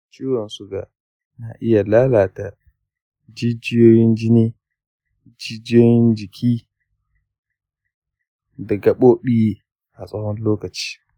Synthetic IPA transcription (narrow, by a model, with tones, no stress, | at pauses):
t͡ʃʼiː˦wɔ˨nsʊ˦ɡa̰˨ | na̰˨ʔɪ˦ja˨laː˦laː˨ta˨ | d͡ʒɪ˦d͡ʒɪ˦joː˦jɪ˦nd͡ʒɪ˦niː˦ | d͡ʒɪ˦d͡ʒjoː˦jɪ˦nd͡ʒɪ˨kʰʲiː˦ | dɐ˨ɡɐ˨ɓoː˦ɓi˦i˦ | ʔa˨sʼɐ˦hɔ˦nloː˦kɐ˨t͡ʃi̥ː˦